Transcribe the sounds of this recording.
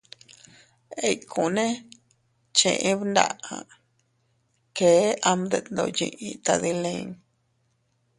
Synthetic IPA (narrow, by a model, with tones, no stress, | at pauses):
e˧jkʰũ˨nẽ˦ | t͡ʃḛ̃˧˨ʔẽ˦βnd̪a̰˧˨ã˨ | ke˨˦ʔa˧md̪e˧˨t̪nd̪o̰˧jḭ̃˧ʔĩ˧t̪a˧ði˧lẽ˧˦ŋ